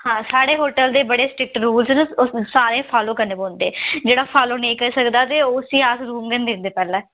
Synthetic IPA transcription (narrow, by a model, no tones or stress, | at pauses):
hãːsaːɽeːɦoːʈəld̪eːbəɽeːsʈɪk̚ʈɾuːlznsaːɾẽːpʰaːloːkəɾneːbõːnd̪eːd͡ʒeːɽaːpʰaːloːnəĩːkəɾiːsəkd̪aːt̪eːoːsiːaːsɾuːmɡɛ̃ːnd̪ɪnd̪eːpɛːlɛ̃ː